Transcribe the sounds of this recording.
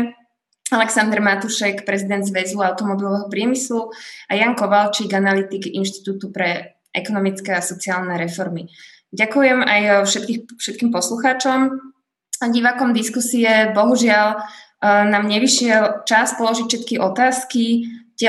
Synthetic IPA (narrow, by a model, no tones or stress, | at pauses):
alɛksand̪ɛɾmat̪uʃɛkpɾɛzid̪ɛnd̪zʋɛzuaʊt̪ɔmɔbilɔʋɛɦɔpɾɪɛmisluajaːŋkɔʋalt͡ʃiɡanalit̪iɡinʃt̪i̥t̪uːt̪upɾɛ | ʔɛ̰kɔnɔmit͡skɛasɔt͡siaːlnɛɾɛfɔɾmi | ɟakujɛmajʃɛt̪kifʃɛt̪̚kiːmpɔsluxaːt͡ʃɔm | ɟiʋakɔmd̪iskusiɛbɔɦuʒɪal | naːmɲɛʋiʃɪɛlt͡ʃaspɔlɔʒicfʃɛt̪kiʔɔt̪aːskicɛ